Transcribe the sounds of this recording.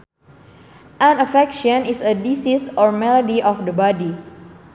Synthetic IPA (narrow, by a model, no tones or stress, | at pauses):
ʔãnəfɛkʃɔnisədisisɔɹmɛlodiʔɔfdəbɔdi